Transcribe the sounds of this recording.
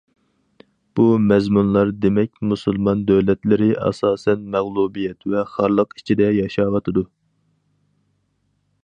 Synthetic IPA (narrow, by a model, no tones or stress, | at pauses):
b̥umɛzmunlˠɑɾd̪emɛk̚ʲmusɨlˠmɑnd̪øwlɛt̪lɪɾɪʔɑ̰sɑːsɛnmæʁlˠubijɛt̪vɛχɑɾlˠəqi̥t͡ʃʰid̪ɛjɑʃɑːwɑt̪ʰɨd̪u